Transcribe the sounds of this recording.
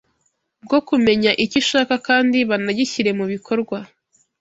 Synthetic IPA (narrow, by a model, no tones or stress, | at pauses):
b̚ɡo̞kume̞ɲaʔiciʃaːkakaːndiβanaɟiçiɾe̞muβikʰo̞ɾɡwa